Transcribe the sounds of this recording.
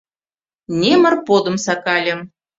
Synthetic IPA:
nʲemə̆rpod̪ə̆msɑkɑlʲə̆m

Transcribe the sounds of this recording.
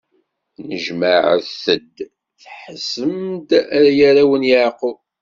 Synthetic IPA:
nəʒməʕθθəd̪ | θħəsəmd̪æɾjæɾawənjəʕqo

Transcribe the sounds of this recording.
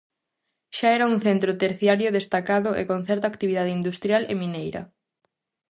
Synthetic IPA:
ʃaɛɾɐuŋθent̪ɾʊt̪eɾθjaɾjʊðest̪akaðʊʔḛkon̟θɛɾt̪akt̪iβiðað̞ɪind̪ust̪ɾjalḛminejɾɐ̰

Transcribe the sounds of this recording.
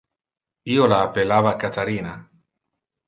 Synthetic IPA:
iolaːpelavakat̪aɾina

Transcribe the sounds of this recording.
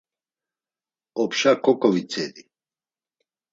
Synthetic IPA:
ɔpʃakʰɔkʼɔvit͡sʰɛd̪i

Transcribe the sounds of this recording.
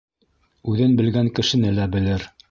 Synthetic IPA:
ʉðɘnbɘ̆lɡæŋkɘ̆ʃɘ̆nɘlæbɘ̆lɘɾ

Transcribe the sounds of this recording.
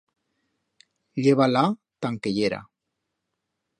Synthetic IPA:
ʎeβala | t̪aŋkeʎeɾa̰

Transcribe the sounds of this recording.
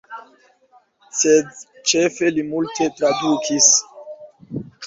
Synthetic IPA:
sed | t͡ʃe̞fe̞limultʰe̞tɾadukʰis

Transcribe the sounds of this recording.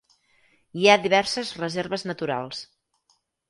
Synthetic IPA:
iaðiβɛɾsəzrəzeɾβəznət̪uɾa̰lˠs

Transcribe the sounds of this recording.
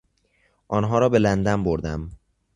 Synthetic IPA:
ʔɒːnɦɒːɾɒːbe̞lænd̪æmboɾd̪æm

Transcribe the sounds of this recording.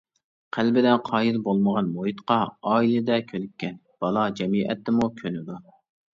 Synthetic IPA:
qʰælbɪd̪ɛnqʰɑːjilbolˠməʁɑnmojit̪qɑɑːilˠɪd̪ɛkʲʰølykʲːɛn | b̥ɑlˠɑd͡ʒɛmiʔɛ̰t̪ːɪmukʲʰønɪd̪u

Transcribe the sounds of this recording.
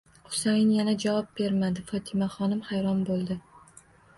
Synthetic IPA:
qʊ̥sajɪnjanad͡ʒavɒp̚be̞ɾmad̪ɪfɒt̪ʰɪmaχɒnɪmhajɾɒnbolˠd̪ɪ

